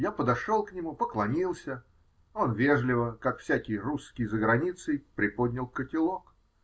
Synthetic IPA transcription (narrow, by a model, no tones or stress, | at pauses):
japəd̪ɐʂo̞lˠknʲɪmupəklˠɐmʲilˠsʲə | o̞nvʲe̞ʐlʲɪvəkakfsʲakʲɪjruskʲɪjzəɡɾɐnʲit̪sɨjpɾʲɪpod̪ʲnʲɪlˠkətʲɪlˠo̞k